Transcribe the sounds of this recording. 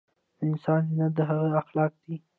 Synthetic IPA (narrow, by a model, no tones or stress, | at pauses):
d̪əɪnsɑnnad̪əɦaɣəaxlɑk̚d̪̥i